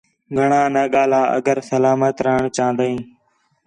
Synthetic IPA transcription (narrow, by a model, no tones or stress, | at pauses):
ɡʱəɳãːnəɠaːlaːʔə̰ɡəɾsəlaːmət̪ɾəɦɳt͡ʃãːnd̪əĩː